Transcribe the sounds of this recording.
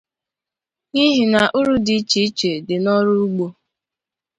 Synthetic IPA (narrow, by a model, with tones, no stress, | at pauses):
ni˦ɦi˨na˨ʔu˦ɾu˦di˨˦t͡ʃi˦i˦t͡ʃe˨dɪ˨nɔ˦ɾʊ˦u˦ɡ͡bo˦